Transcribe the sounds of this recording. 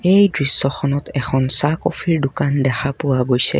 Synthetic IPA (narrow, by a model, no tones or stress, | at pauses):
ejdɹisːɔxɔnɔtɛxɔnsakɔpʰiɹdʊkandɛxʰapʊwaɡojsɛ̰